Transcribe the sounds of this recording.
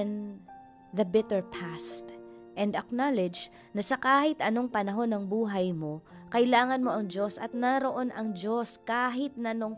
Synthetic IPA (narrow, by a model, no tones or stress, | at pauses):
n | ðɐbɛt̪ɛɹpʰast̪ʔɛnd̪ɐknalɛd͡ʒ | nɐsɐkaːhɪt̪ʔɐno̞ŋpɐnɐɦo̞nɐŋbuːɦɐjmo̞ | kɐʔɪlaːŋɐnmo̞ʔɐŋd͡ʒo̞sɐt̪̚nɐɾo̞ʔo̞nʔɐŋd͡ʒo̞skaːɦɪt̪̚nɐno̞ŋ